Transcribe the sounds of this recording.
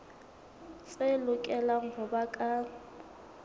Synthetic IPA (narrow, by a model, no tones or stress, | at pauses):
sʼelʊkʼɛlaŋ̩bʊbakʼa